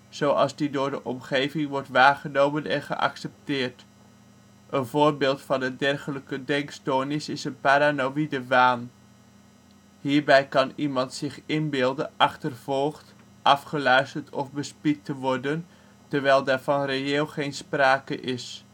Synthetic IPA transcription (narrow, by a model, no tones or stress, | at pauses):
z̥owɑ̰lˠzdidʊːɹdəʔɔmχejvɪŋʋɔɹtʋaːχənowmənɛnχə̰ʔɑ̰ksɛp̚tɪːɹt | ʔənvoːɹbɪːlˠtfɑndədɛrχələkədɛŋkstoːnɪsɪsənpaɾanoidəʋaːn | hiːɹbɛjkɑnimɑntsɪχɪnbɪlˠdənʔɑχtərv̥ɔlˠχt | ʔɑfχəlœɥstəɹtɔfbəspitəʋɔɹdən | təɹʋɛjlˠdaːɹvɑnrejeːlˠχejnspraːkəʔɪs